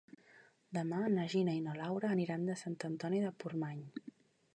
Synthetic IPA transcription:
d̪əmanəʒinəinolawɾəːniɾand̪əsant̪ənt̪ɔniðəpurmaɲ

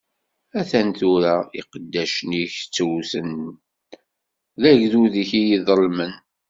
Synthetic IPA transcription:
æθænθuɾaiqəd̪ːæʃniçt͡sːəwsən | ðæʝðuðiçijiðˤəlmən

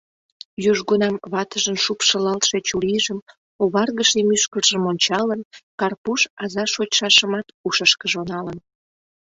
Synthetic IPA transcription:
jyʒɣunɑmβɑt̪əʒənʃupʃəlɑlt̪ʃet͡ɕuliʒəm | oβɑrɣəʃemyʃkərʒəmonʲt͡ɕɑlənkɑrpuʃɑzɑʃot͡ɕʃɑʃəmɑt̪uʃəʃkəʒonɑlən

